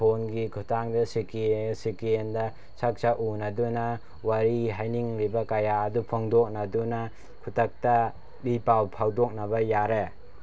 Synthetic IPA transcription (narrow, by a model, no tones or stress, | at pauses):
onɡikʰutʰaŋdɐsikisikiendɐ | sak̚t͡ʃaʔunaduna | waɾiɦajniŋlibɐkajaːdupʰɔŋdɔk̚naduna | kʰutɐk̚ta | bipawpʰawdɔk̚nabɐjaɾe